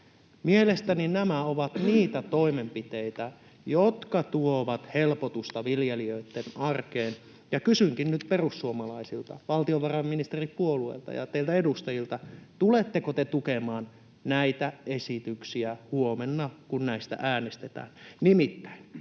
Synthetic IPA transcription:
mielest̪æninæmæoʋɑt̪niːt̪æt̪o̞imempit̪eit̪æ | jot̪kɑt̪uoʋɑt̪helpot̪ust̪ɑʋiljeliøit̪ːenɑrkeːn | jɑkysyŋkinnyt̪perusːuomɑlɑisilt̪ɑ̰ʋɑlt̪ioʋɑrɑmːinist̪eripuoluḛlt̪ɑ̰jɑ̰t̪eilt̪æedust̪ɑjilt̪ɑt̪ulet̪ːekot̪et̪ukemɑːn | næit̪æesit̪yksiæhuomenːɑkunnæist̪æ̰ʔæːnest̪et̪æ̰ːnnimit̪ːæ̥in

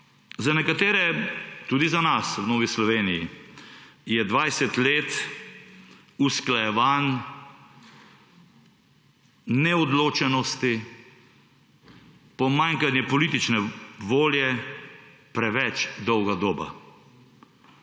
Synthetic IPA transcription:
zanɛkat̪eːɾɛt̪uːd̪izanaswnoːʋislɔʋeːniji | jɛd̪ʋajsɛt̪leːt̪ | usklajɛʋan | nɛɔd̪loːt͡ʃɛnɔst̪i | pɔmaŋkanjɛpɔliːt̪it͡ʃnɛʋoːljɛ | pɾɛʋɛt͡ʃd̪ɔwɡad̪oːba̰

